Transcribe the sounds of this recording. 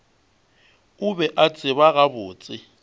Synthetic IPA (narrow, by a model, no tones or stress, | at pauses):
ʊbɛʔat͡sʼɪβaɣabʊːt͡sʼɪ